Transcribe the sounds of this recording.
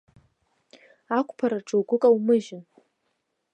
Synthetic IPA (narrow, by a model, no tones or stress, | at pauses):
akʷʰʼpʰaɾaʈ͡ʂʰʼowɡʷʊkʼawmɨʒɪn